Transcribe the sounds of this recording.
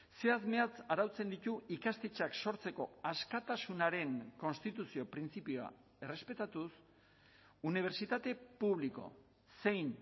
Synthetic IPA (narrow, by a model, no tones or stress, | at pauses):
se̞azme̞at͡saɾawt͡se̞nd̪it̪uikast̪e̞t͡ʃakso̞ɾt͡se̞ko̞̰askat̪asunaɾe̞ŋko̞nst̪it̪usio̞pɾint͡sipioa̰ | e̞re̞spe̞t̪at̪us | uniβ̞e̞ɾt͡ʃit̪at̪e̞puβ̞liko̞̰ | se̞jn